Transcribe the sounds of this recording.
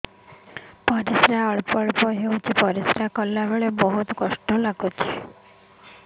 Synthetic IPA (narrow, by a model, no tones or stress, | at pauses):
pɔɾisɾaəɭpɔɭpɔɦewt͡ʃʰipɔɾisɾakɔlːabeɭebɔɦut̪kɔsʈɔlaɡot͡ʃʰe̥